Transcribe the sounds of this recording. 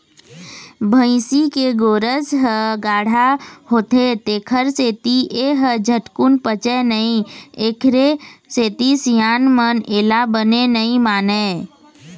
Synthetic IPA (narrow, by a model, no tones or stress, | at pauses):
bʱə̃ɪ̃sikeɡoːɾəsɦəɡaːɽ̤aɦoːt̪et̪eːkʰəɾseːt̪iʔeɦəd͡ʒʱəʈkunpət͡ʃənəĩeːkʰɾeseːt̪isjaːnməneːlabənenəĩmaːneː